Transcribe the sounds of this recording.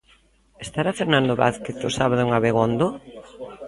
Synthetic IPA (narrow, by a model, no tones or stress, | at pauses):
est̪aɾafeɾnãnd̪oβa̰θkeθosaβaðʊuŋaβeɣond̪o